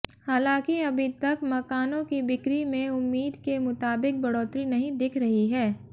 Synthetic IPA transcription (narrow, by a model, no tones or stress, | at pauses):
haːlãːkiɐbʱɪt̪ɐkmɐkaːnõkibɪkɾimẽʊmːiːd̪kemʊt̪aːbɪk̚bɐɽɔːt̪ɾinɐɦĩd̪ɪkʰɾɐɦiɦɛː